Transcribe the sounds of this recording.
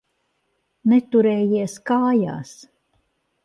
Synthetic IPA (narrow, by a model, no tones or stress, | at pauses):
nɛt̪uɾɛːjiɛskaːja̰ːs